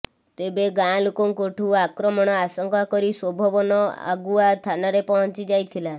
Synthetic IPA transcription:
t̪ebeɡãlokɔŋkoʈʰuakɾɔmɔɽ̃ɔasɔŋkakɔɾiswobʱɔbɔnɔa̰ɡuat̪ʰanaɾepɔɦɔ̃nt͡ʃid͡ʒajt̪ʰila

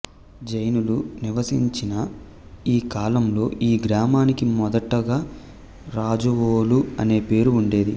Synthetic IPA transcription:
d͡ʒɐjnuluniʋɐsiɲt͡ʃinɐ | iːkaːlɐmlo̞ːʔiːɡɾaːmaːnikimɔd̪ɐʈːɐɡaː | ɾaːd͡ʒɐʋoːluɐne̞ːpe̞ːɾuːɳɖe̞ːd̪i

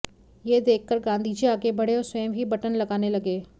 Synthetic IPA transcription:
jed̪eːkʰːəɾɡãːnd̪ʱid͡ʒiaːɡebɐɽeɔːɾsweːmɦibɐʈənlɐɡaːnelɐɡeː

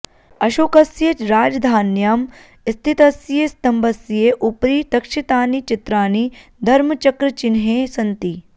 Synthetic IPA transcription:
ɐʃoːkɐsjet͡ʃɾaːd͡ʒd̪ʱaːnjaːm | ist̪ʰit̪ɐsjest̪ɐmbɐsijeʔupɾiːt̪ɐkʃit̪aːnit͡ʃɪt̪ɾaːnid̪ʱɐɾmɐt͡ʃɐkɾɐt͡ʃɪnɦeːsɐnt̪iː

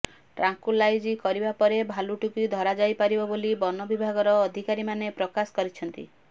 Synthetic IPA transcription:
ʈɾaŋkulajd͡ʒikɔɾibapɔɾebʱaluʈukujd̪ʱɔɾad͡ʒajpaɾibɔbolibɔnɔbibʱaɡɔɾɔːd̪ʱikaɾimanepɾɔkasɔ̥kɔɾit͡ʃʰɔnt̪ḭ

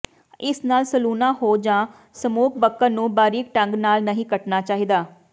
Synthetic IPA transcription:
ɪsnaːlsəluːnaːɦoːd͡ʒãː | səmuːk̚ʰbəkːənũːbaːɾiːk̚ʈəŋɡnaːlnəɦĩːkəʈnaːt͡ʃaːɦid̪aː

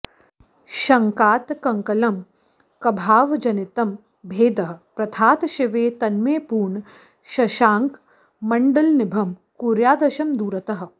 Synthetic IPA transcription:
ʃɐŋkaːt̪kɐŋkɐlɐm | kɐbʱaːʋd͡ʒɐnit̪ɐm | bʱeːd̪ɐɦɐ̆pɾɐt̪ʰaːt̪ʃiʋeːt̪ɐnmeːpuːɳ | ʃɐʃaːŋk | mɐɳɖɐlnɪbʱɐmkuːɾjaːd̪ɐʃɐmd̪uːɾɐt̪ɐɦɐ̆

